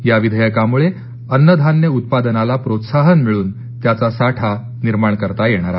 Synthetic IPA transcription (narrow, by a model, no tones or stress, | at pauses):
jaʋid̪ʱəjakamuɭe | ənːəd̪ʱanːjəut̪̚pad̪ənalapɾot̪saɦənmiɭuːn | t̪jat͡sasaʈʰa | niɾmaɳkəɾt̪ajeɽ̃aɾa